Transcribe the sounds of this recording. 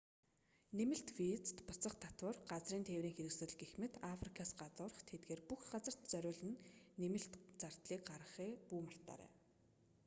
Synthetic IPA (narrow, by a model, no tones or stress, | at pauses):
nemɘ̆ɬt̪wit͡st̪pʊt͡sə̆χt̪ʰat̪wə̆rɢat͡sriːnt̪ʰewɾiːŋxeɾɘ̆ksɵ̆ɮɡexmɘ̆t̪afrikʰasɢat͡sʊːrə̆χt̪ʰet̪ɡeːrpuxɢat͡sə̆r̥t̪t͡sœɾʲʊːɮɘ̆nːemɘ̆ɬt̪t͡sar̥t̪ɮiːkɢaɾʁə̆χiːpuːmar̥t̪a̰ːɾæ̰ː